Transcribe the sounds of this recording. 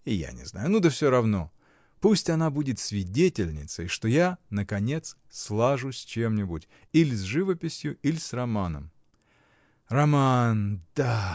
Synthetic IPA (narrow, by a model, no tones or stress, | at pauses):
ɪja̰nʲɪ̰zna̰jʊnud̪əfsʲoɾɐvno̞ | pusʲtʲɐnabudʲɪt̪sʲvʲɪdʲetʲɪlʲnʲɪt̪sə̰jʂt̪o̞janəkɐnʲe̞t̪s | slˠaʐʊsʲt͡ɕe̞mnʲɪbʊtʲ | ilʲɪzʲʐɨvəpʲɪsʲjʊilʲɪsrɐmanə̰m | rɐmand̪̥a